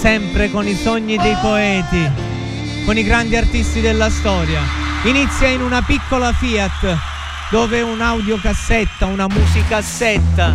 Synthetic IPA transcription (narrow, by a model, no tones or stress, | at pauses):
sɛmpɾekonisoɲːid̪ejpoɛːt̪i | koniɡɾand̪iart̪ist̪id̪elːast̪ɔːɾjainit̪sːjainunapikːolafiːat̪ː | d̪oːveunawd̪jokasːɛt̪ːaunamuːzikasːɛt̪ːa